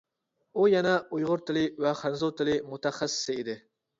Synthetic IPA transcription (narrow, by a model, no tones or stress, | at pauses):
ujɛnɛujʁʊɾt̪ʰɪlɪvɛχænzot̪ʰɪlɪmut̪ɛχæsːɪ̥sɪid̪ɪ